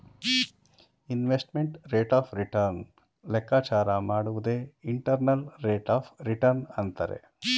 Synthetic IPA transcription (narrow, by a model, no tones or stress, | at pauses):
inʋesʈmeɳʈɾeːʈaːpʰɾiʈɐɾn | lɛkːaːt͡ʃaːɾɐmaːɽuʋud̪eːiɳʈɐɾnɐlɾeːʈaːpɾiʈɐɾnɐnt̪ɐɾḛ